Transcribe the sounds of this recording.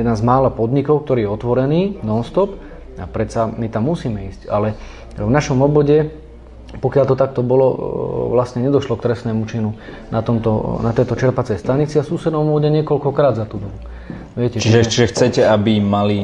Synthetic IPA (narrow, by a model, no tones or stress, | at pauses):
jɛd̪nazmaːlapɔd̪ɲikɔʊk̚t̪ɔɾiːjɛɔt̪ʋɔɾɛniːnɔnst̪ɔp | apɾɛt̪t͡samit̪amːusiːmɛiːscalɛ | vnaʃɔmɔbɔɟɛ | pɔkɪalt̪ɔt̪ak̚t̪ɔbɔlɔʋlastɲɛɲɛd̪ɔʃlɔkt̪ɾɛsnɛːmut͡ʃinu | nat̪ɔmt̪ɔnat̪ɛjt̪ɔt͡ʃɛɾpat͡sɛjst̪aɲit͡siafsuːsɛd̪ɔmɔɔɟɛɲɪɛkɔlkɔkɾaːd̪zat̪uːd̪ɔbu | ʋɪɛcɛt͡ʃiʒɛt͡ʃiʒɛxt͡sɛcɛabimali